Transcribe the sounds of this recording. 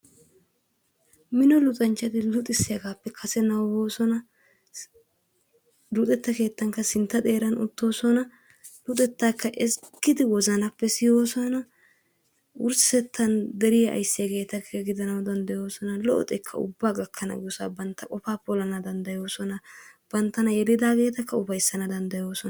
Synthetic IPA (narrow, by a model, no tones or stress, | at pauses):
mɪnɔlʊt̪ʼɐnt͡ʃːɐd̪ɪlʊt̪ʼɪsːɪjɐɡaːpːɛkʰɐsɛnɐwwoːsɔnɐ | lʊt̪ʼɛt̪ːɐke̞ːt̪ːɐŋkːɐsɪnt̪ːɐd̪e̞ːɾɐnʊ̰t̪ːo̞ːsɔnɐ | lʊt̪ʼɛt̪ːaːkʰːɐʔɛskːɪd̪ɪwɔzɐnɐpːɛsɪjoːsɔnɐ | ʔʊɾsɛt̪ʰːɐnd̪ɛɾɪjɐʔɐ̰jsːɪjɐɡe̞ːt̪ɐkʰːɐɡɪd̪ɐnɐwd̪ɐnd̪ɐjo̞ːsɔnɐlɔʔɔ̰t̪ʼɛkʰːɐ̰ʊ̰bːaːɡɐkʰːɐnɐ̰ɡʊsa̰bɐnt̪ːɐkʼɔfaːpɔlɐnɐd̪ɐnd̪ɐjo̞ːsɔnɐb̥ɐnt̪ːɐnɐjɛd̪ɪd̪aːɡe̞ːt̪ɐkʰːɐʊbɐjsːɐnɐd̪ɐnd̪ɐjo̞ːsɔn